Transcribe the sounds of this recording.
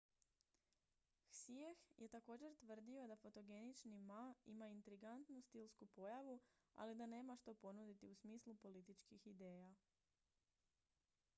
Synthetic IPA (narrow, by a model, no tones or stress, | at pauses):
xsiexjʔe̞t̪ako̞ːd͡ʑe̞ɾt̪ʋr̩d̪io̞d̪afo̞t̪o̞ɡe̞nit͡ʃnimaimaint̪ɾiɡant̪nust̪ilˠskupo̞jaʋua̰lid̪ane̞ːmaʃt̪o̞po̞nud̪it̪iusmiːslupo̞lit̪it͡ʃkixid̪e̞ːja